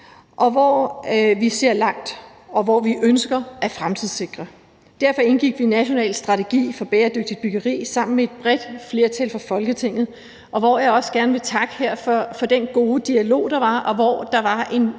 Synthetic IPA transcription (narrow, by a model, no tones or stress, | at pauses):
ʔɒ̽ʋɒʋise̝ɐ̰lɑ̈ŋ̰d̥ | ɒ̽ʋɒʋiʔønsɡ̥ɐʔæfʁamt͡sʰið̰ˠse̝ɡ̥ʁɐ | d̥æɐfɒ̽e̝nɡ̥iɡ̥ʋinæɕo̝nɛ̰ːlsd̥ʁɑ̈t͡sʰe̝ɡ̥ḭːfɒ̽b̥eːɐd̥øɡ̥̚d̥id̥̚b̥yɡ̥ɐʁḭːsɑ̈m̰n̩mee̝d̥̚b̥ʁɛd̥fle̝ːɐt͡sʰælfʁɑ̈fɒ̽lɡ̥ət͡sʰe̝ŋ̰ð̞̩ˠ | ʔɒ̽ʋɒjɑ̈ɪɒ̽sɡ̥æɐnəʋe̝t͡sʰɑ̈ɡ̥əhæɐ̰fɒfɒ̽d̥enɡ̥o̝ːd̥iælo̝̰ːd̥ɑ̈ʋɑ̈ɒ̽ʋɒ̰ːd̥ɑ̈ʋɑ̈e̝n